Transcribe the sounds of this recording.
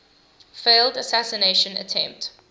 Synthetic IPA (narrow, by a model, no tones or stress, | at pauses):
feɪldəsæsəneɪʃə̃nə̰tʰɛ̃mp̚t